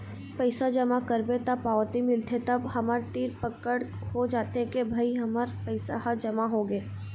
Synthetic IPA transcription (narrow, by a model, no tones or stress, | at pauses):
pəɪsad͡ʒɐmakəɾbet̪apaːʋt̪imɪlt̪ʰet̪ɐbhɐməɾt̪iːɾpəkəɽ | hod͡ʒaːt̪ekebʱaiɦɐməɾpəɪsa̰ɦad͡ʒɐmaɦoɡeː